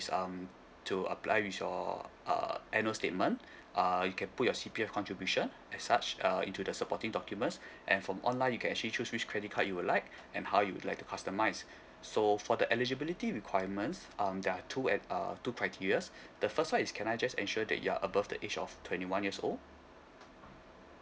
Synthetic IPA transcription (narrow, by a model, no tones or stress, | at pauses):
sʌ̃m | tʰuə̰pʰla̰ɪwiθjɔ̰ʌ̰ʔɛnəstet̚mə̃n | ʔajukʰɛ̃nput̚jɔsipiɛfkʰɔ̃ntɹibjuʃə̃n | ɛsːat͡ʃʌḭ̃ntudəsəpɔtĩŋdɔkjumə̃ntsʔɛ̰̃nfɹɔ̃mʔɔ̰̃nlãɪnjukʰɛ̃nɛk̚t͡ʃəlit͡ʃʰuswit͡ʃkʰɹɛdit̚haʔjuwudlaɪk̚ | ʔɛ̃nhawjuwṵdlaɪk̚tu̥kʰastəmaɪsː | ofɔdəʔɛlid͡ʒəbilitiɹikʰwajəmə̃nsʔʌ̃mdɛatʰuɛə̰tukʰɹaɪtʰiɹiəsd̥əfəstwãniskʰɛ̃najd͡ʒasɛ̰̃nʃuədɛ̰t̚jua̰ʔəbafdə̰ʔed͡ʒɔ̰ftʰwɛ̃ntiwãnjəso̰l